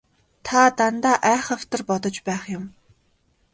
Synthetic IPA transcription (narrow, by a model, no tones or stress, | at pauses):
t̪ʰat̪ant̪aːʔæːχə̆w̥t̪ə̆rpɔt̪ɞ̆t͡ɕpæːχjʊm